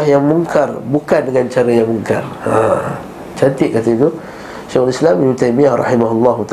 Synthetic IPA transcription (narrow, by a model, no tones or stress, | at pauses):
ahjaŋmuŋkarbukandəŋant͡ʃaɾajaŋmuŋka̰ra | t͡ʃant̪ɪʔ̚kat̪ait̪u | ʃɛxlislaminut̪ajmiahrɑ̰himaɦulːɑɦut̪a